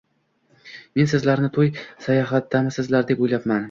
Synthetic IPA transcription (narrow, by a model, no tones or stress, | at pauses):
me̞nsɪzlaɾnɪt̪ʰojsajɒɦat̪ːamɪsɪzlaɾd̪e̞pojlapman